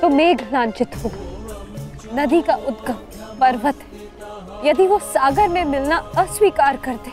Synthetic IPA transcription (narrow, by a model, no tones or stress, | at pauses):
t̪omeːɡʱlãːnt͡ʃɪt̪ɦoːɡa | nɐd̪ikaʔʊt̪ɡəm | pɐɾʋət̪ɦɛ | jɐd̪iʋosaːɡəɾmẽmɪlnaɐswiːkaːɾkɐɾt̪e